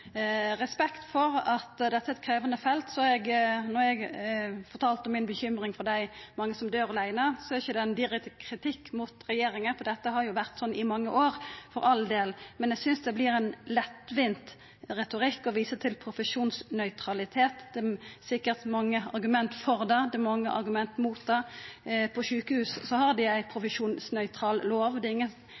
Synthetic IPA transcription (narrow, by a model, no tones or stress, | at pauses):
ɾɛspɛkt̪fɔɾɑt̪d̪ɛt̪ːəæɛt̪̚kʰɾeːʋənəfɛlt̪sɔɑɛɡnɔɾɛɡfɔɾt̪ʰɑːlt̪ɔmɪnbəçʏmɾɪŋfɔʁd̪æɪmɑŋːəsɔmd̪øːɾɑlæɪnəsɔæɾɪçəd̪ɛɛnd̪ɪɾɛk̚t̪ɪkʰɾɪt̪ʰɪkːmʊt̪ɾɛjeːɾɪŋəfɔd̪ɛt̪ːəɦɑɾjʊʋæʁt̪sɔnːʔɪmɑŋːəʔoːɾfɔɾʔɑld̪eːlmɛnjæɪɡsʏnsd̪ɛblɪɾæɪnlɛt̪ːʋɪnt̪ | ʁɛt̪ʊʁɪkːɔʋiːsət̪ʰɪlpʰɾʊfəʃuːnsnœʏt̪ʰɾɑlɪt̪ʰeːt̪d̪̥ɛsɪkːəɾt̪mɑŋːəɑ̰ɾɡʉmɛnt̪fɔɾd̪ɛd̪ɛmɑŋːəʔɑ̰ɾɡʉmɛnt̪muːt̪̚d̪ɛpʰɔʃʉːkəhʉːssɔhɑɾd̪ɪæɪpʰɾʊfəʂuːnsnœʏt̪ʰɾɑːlloːʋd̪ɛɪŋːən